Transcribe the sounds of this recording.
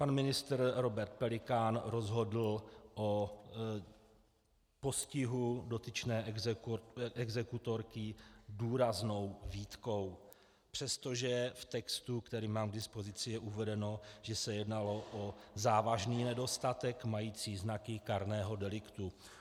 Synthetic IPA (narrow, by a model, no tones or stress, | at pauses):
panmɪnɪst̪ɾɾo̞bɛɾt̪̚pɛlɪkanɾo̞zɦo̞dl̩ʔo | po̞scɪɦudo̞t̪ɪt͡ʃnɛːʔ | ʔɛɡzɛkut̪o̞ɾkɪduːɾazno̞wviːt̪ko̞w | pr̝̥ɛst̪o̞ʒɛft̪ɛkst̪ukt̪ɛɾiːmaːmɡdɪspozɪt͡sɪjɛʔuvɛdɛno̞ʒ̥ɛsɛjɛdnalo̞ʔozaːvaʒniːnɛdo̞st̪at̪ɛkmajiːt͡siːznakɪkaɾnɛːɦo̞dɛlɪkt̪u